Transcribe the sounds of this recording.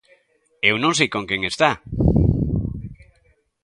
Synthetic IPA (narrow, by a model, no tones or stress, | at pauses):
ewnõŋs̬ejkõŋkeŋest̪a